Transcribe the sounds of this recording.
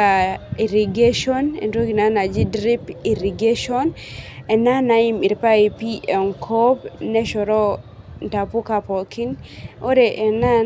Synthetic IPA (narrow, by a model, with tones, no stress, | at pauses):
ai˨ɾi˨ɡe˦ʃɔ˦nḛ˨ndo˦ki˨na˦na˨d͡ʒi˦dɾi˦pi˨ɾi˨ɡe˦ʃɔ˦n | ɛ˨na˦na˨i˦mi˨ɾpa˦i˨piʔɛ˨ŋkʰo˦pnɛ˦ʃɔ˨ɾɔ˦ | nta˨pu˦ka˨pɔ˨ki˦no˦ɾe˨ʔɛ˨na˦